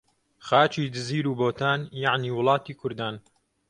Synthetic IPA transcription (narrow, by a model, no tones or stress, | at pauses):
xaːt͡ʃiːd̪ɨziːɾuːboːt̪aːnjaʕniːwʊlˠɑːt̪iːkʰʊɾd̪aːn